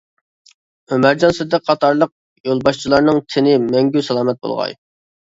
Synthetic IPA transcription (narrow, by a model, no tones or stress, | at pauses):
ømæɾd͡ʒɑnsɨd̪ɛqʰɑt̪ʰɑɾlˠəq̚ | jolˠbɑʃt͡ʃʰilˠɑɾnɨŋt̪ʰɪnɪmɛŋɡʲysɛlˠɑːmɛt̪̚bo̰lˠʁɑ̰j